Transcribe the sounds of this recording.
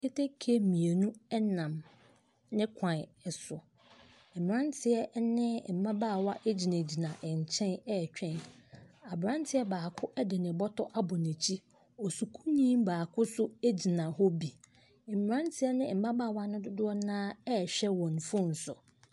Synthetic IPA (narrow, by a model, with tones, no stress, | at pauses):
kʰe˦tʰe˦kʰe˦˨mĩ˨e˨nũ˦ɛ˦nã˨m | nɪ̃˦kʷʰã˨ɛ˨sʊ˨ | m̩˨m˨ɾã˦ntʰɪ˨ɛ˦nɪ̃˦m̩˨mã˦baː˦˨wa˦ʔe˦d͡ʑi˨nã˨d͡ʑi˨nã˨ʔɪ˨ɲ˨t͡ɕʰɛ̃˦nɛ˦˨t͡ɕᶣɛ̃˦na˨bɾã˦n˦tʰɪ˦ɛ˦baː˨kʰʊ˦ʔɛ˦dɪ˨nɪ̃˨bɔ˦tʰɔ˦ʔa˦bɔ˨nẽ˨t͡ɕʰi˦ | ɔ˨su˨kʰu˦ɲĩː˦mbaː˨kʰʊ˦sʊ˦e˦d͡ʑi˨nã˨ɦɔ˦bi˨ | m̩˨m˨ɾã˦ntʰɪ˦ɛ˦nɪ̃˦m̩˨mã˦baː˦˨wa˦nʊ̃˦dʊ˦dʊ˦ɔ˦nãː˦ɛ˦˨ɕᶣɛ˦wɔ̃˨n˨fʊ̃˦n̩˨sʊ̰˨